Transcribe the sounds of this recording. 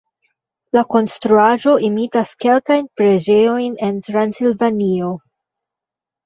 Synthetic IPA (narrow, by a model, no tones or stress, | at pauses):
lako̞nstɾuaʒo̞ʔimitaske̞lkajnpɾe̞d͡ʒe̞jo̞jne̞ntɾansilvanio